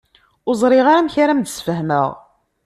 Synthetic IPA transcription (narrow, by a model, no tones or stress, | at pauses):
ʊzˤɾˤɪʁaɾamçaɾæmd̪əsfəɦmə̰ʁ